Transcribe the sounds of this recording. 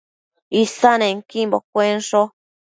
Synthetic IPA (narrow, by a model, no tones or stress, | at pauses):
isanẽŋkimbokʷenʂo